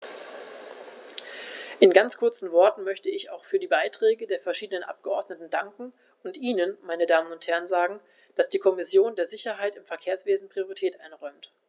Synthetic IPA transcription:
ʔɪnɡant͡skʰʊɐt͡sn̩vɔɐtn̩mœçtəɪça̰ʊxfyːɐdiːbaɪtʁ̥ɛːɡədeːɐfɛɐʃiːdənənʔa̰p̚ɡ̥əʔɔɐdnətn̩daŋkŋ̩ | ʊntʔiːnənmaɪnədaːmənʊnthɛɐnzaːɡŋ̩ | d̥asd̥iːkʰɔmɪsjoːndeːɐzɪçɐɦaɪtɪmfɛɐkʰeːɐsv̥eːzn̩pʁ̥ioʁitʰɛːtʔaɪnʁɔʏmt

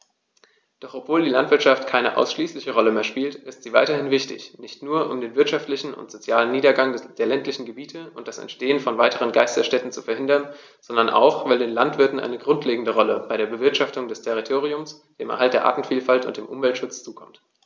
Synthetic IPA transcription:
d̥ɔχʔɔpv̥oːldiːlantv̥ɪɐʃaftkʰaɪnəʔa̰ʊsʃliːslɪçəʁɔləmeːɐʃpiːltʔɪstz̥iːva̰ɪtɐhɪnvɪçtɪ̰çnɪçtnuːɐʔʊ̰mdeːnvɪɐtʃaftlɪçn̩ʊ̰ntz̥ot͡sjaːlənːiːdɐɡaŋd̥eːɐlɛntlɪçn̩ɡəbiːtʰəʊnt̚d̥asɛ̰ntʃteːənfɔnvaɪtəʁ̞ənɡaɪstɐsʃtɛtn̩t͡sufɛɐɦɪndɐn | z̥ɔndɐnʔa̰ʊxv̥aɪldeːnlantv̥ɪɐtn̩ʔa̰ɪnəɡʁʊntʰleːɡŋ̩dəʁɔləbaɪɾeːɐbəvɪɐtʃaftʊŋdɛstʰɛʁ̞itʰoːʁiʊms | d̥eːmʔɛɐɦaltd̥eːɐʔa̰ːtn̩fiːlfaltʊ̰ntd̥eːmʔʊmvɛltʃʊt͡st͡suːkʰɔmt

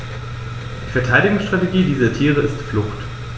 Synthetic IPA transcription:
d̥iːfɛɐtʰaɪɾɪɡʊŋsʃtʁ̥ateɡiːdiːzɐtʰiːʁ̞əɪstflʊxt

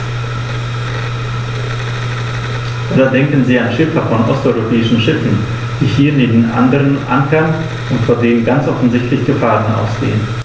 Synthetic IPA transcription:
ʔadadɛŋkn̩ziːanʃɪfɐfɔnʔɔ̰stɔʏʁopʰɛːɪʃn̩ʃɪfn̩ | d̥iːhiːɐneːbn̩ʔa̰ndəʁənʔa̰ŋkɐn | ʊntfoːdeːnənɡant͡sʔɔfn̩zɪçtʰlɪçɡ̥əfaːʁənʔa̰ʊsɡ̥ḛːən

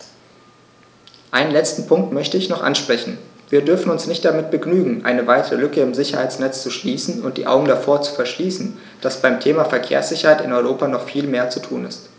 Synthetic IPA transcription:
ʔaɪnənlɛt͡stn̩pʰʊŋk̚tmœçtəɪçnɔχʔa̰nʃpʁ̥ɛçn̩viːɐdʏɐfn̩ʊnsnɪçt̚d̥amɪt̚b̥əɡnyːɡŋ̩ʔa̰ɪnəvaɪtʰəʁəlʏkəɪmzɪçɐhaɪt͡snɛt͡st͡suʃliːsn̩ʊnt̚d̥ḭːʔa̰ʊɡŋ̩dafoːɐt͡su̥fɛɐʃliːsn̩ | d̥asb̥aɪmtʰeːmafɛɐkʰḛːɐsz̥ɪçɐhaɪtɪnɔʏʁoːpanɔχfiːlmeːɐt͡sutʰuːnɪ̰st

